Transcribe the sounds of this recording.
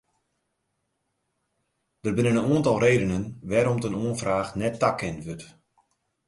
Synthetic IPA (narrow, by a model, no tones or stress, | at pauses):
d̥ərbɪnənənuəntɑlˠreːdənənʋɛɾɔmtənuənfraːχnɛtːakʰːɛntʋøt